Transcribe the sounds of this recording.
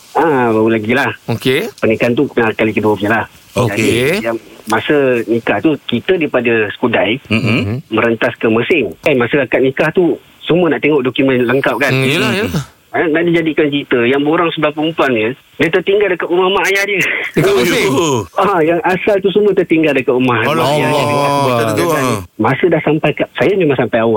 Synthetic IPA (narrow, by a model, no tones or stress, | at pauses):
abaulaɡilahokepənikant̪̬upənakalikəd̪əofilah | od͡ʒadijaŋmasənikaht̪ukit̪ədipadəsə̥kudaj | məɾənt̪askəməsɪŋəmasəakat̪̚nikaht̪u | sumənaʔt̪eŋɔʔdokumənləŋkap̚kanaj | ənaʔdid͡ʒadikankit̪əjaŋbəoɾaŋsəbapumpuaŋɲə | dət̪ərt̪iŋɡaldəkat̪umahmaɦajahdə | ajaŋʔasalt̪usumə̃t̪ərt̪iŋɡaldəkat̪umahajadiaət̪əaaəmasədahsampajkasajaɲumasampajawaʔ